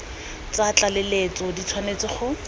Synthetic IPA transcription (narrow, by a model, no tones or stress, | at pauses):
t͡sat͡ɬalelet͡sɔdit͡sʰwanet͡sɪχʊ